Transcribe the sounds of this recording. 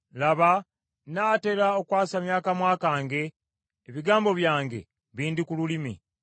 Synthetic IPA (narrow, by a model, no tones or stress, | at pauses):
laβa | naːte̞ɾaokwaːsamjaːkamwaːkaːŋɡe̞ː | βiɡaːmbo̞βjaːŋɡe̞̰ | βiːndikululimḭ